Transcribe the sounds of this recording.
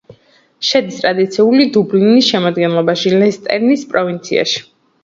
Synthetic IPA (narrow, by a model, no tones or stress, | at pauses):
ʃɛd̪ist̪ʼɾad̪it̪sʰiulid̪ublinisʃɛmɔd̪ɡɛnlˠɔbaʃilɛst̪ʼɛ̰ɾnispʼɾɔvint̪sʰḭa̰ʃi̥